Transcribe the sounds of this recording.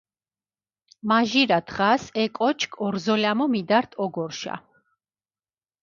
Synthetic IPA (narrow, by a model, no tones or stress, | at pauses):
maʒiɾad̪ʰʁasɛkʼɔt͡ʃʰkʰɔɾzɔlamɔmid̪aɾt̪ʰɔɡɔɾʃa̰